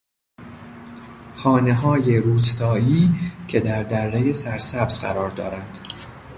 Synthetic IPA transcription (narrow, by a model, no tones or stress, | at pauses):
xɒːne̞ɦɒːjeɾuːst̪ɒːiːcʰe̞d̪æɾd̪ærːejesæɾsæbzɢæ̰ɾɒːɾd̪ɒ̰ːɾænd̪̥